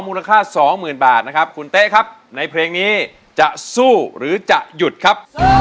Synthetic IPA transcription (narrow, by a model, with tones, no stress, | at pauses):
ŋmuː˧la˧kʰaː˥˩sɔː˩˦ŋmɯː˨˩nbaː˨˩t̪̚na˦˥kʰa˦˥p̚kʰu˧nt̪e˦˥ʔkʰa˦˥p̚ | na˧jpʰɾeː˧ŋniː˦˥ | t͡ɕa˨˩ʔsuː˥˩ɾɯː˩˦t͡ɕa˨˩ʔju˨˩t̪̚kʰa˦˥p̚